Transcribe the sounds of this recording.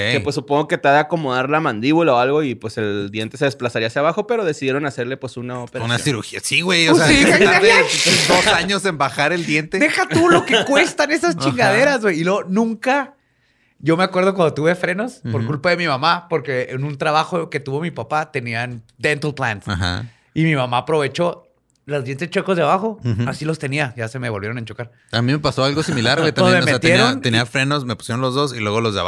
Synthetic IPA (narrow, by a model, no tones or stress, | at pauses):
epwesːupoŋɡo̞ke̞t̪aðeako̞mo̞ðaɾlamãnd̪iβulaoalɣo̞ipwe̞se̞ld̪je̞nt̪e̞s̬e̞ðesplasaɾiaːsjaβaxo̞pe̞ɾo̞ðe̞siðjeɾo̞nase̞ɾle̞pwe̞sunaopeɾaunasiɾuɾxiasiɣwejosiaaed̪osaɲo̞se̞mbaxaɾe̞ld̪je̞nt̪ed̪e̞xat̪ulo̞kekwe̞sst̪ane̞sast͡ʃiŋɡaðe̞ɾazɣwejilweɣonũŋka | ʝo̞me̞akwe̞ɾð̞okwand̪ot̪uβe̞fɾe̞no̞spoɾkulpaðe̞mimamapo̞ɾke̞ːnũnt̪ɾaβaxoke̞t̪uβo̞mipapat̪e̞niand̪ent̪lplansaha̰ | imimamapɾo̞βe̞t͡ʃo̞ | lozðje̞nt̪est͡ʃwekozðeaβaxo̞asilo̞st̪e̞niaʝase̞meβo̞lβjɾo̞nent͡ʃo̞kaɾ | amĩme̞paso̞alɣosimilaɾwet̪ammesmeeat̪jeeiɾoant̪eniafɾe̞no̞smepu̥sjeɾo̞nlo̞zðo̞silwe̞ɣolozðea̰a